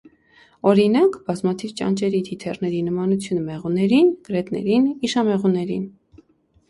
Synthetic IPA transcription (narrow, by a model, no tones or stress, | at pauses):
ɔɾinɑkb̥ɑzmɑt̪ʰivt͡ʃɑ̰nt͡ʃɛɾit̪ʰit̪ʰɛrnɛɾinəmɑnut͡sʰjunəmɛʁunɛɾinɡəɾɛt̪nɛ̰ɾiniʃɑmɛʁunɛɾḭn